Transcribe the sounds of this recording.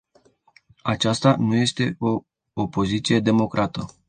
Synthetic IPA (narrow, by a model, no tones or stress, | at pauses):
at͡ʃast̪anuje̞st̪e̞o̞ː | po̞zit̪sije̞d̪e̞mo̞kɾʔat̪ə